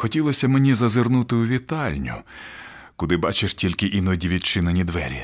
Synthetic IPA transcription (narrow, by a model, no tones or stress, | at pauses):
xɔtʲilˠɔsʲɐmenʲizɐzɪrnut̪ɪʊʋʲit̪ɑlʲnʲʊ̰ | kʊd̪ɪbɑt͡ʃɪʂtʲilʲkɪʔinɔdʲiʋʲit͡ʃɪnɐnʲid̪ʋɛ̰ɾʲi